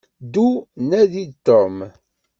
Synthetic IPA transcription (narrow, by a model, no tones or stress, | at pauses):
d̪unæðit̪ːom